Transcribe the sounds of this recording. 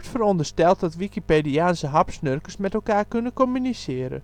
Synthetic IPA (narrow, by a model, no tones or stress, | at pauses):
tfərɔndərstɛlˠt̚dɔtʋikipeːdiaːnsəɦɑpsnørkəsmɛtɛlˠkaːrkønəkomynisɪəɾə̰